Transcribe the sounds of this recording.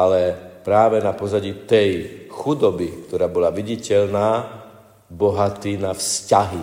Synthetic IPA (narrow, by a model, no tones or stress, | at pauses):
alɛpɾaːʋɛnapɔzaɟiːt̪ɛjxud̪ɔbikt̪ɔɾaːbɔlaʋiɟicɛʎnaː | bɔɦat̪iːnafscaɦi